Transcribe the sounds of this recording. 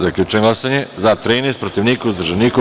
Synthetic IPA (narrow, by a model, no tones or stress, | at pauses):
d̪aeklʲut͡ʃeɡlˠasaɲezat̪ɾiːnest̪pɾot̪iʋniːkuuzd̪rʒeniːku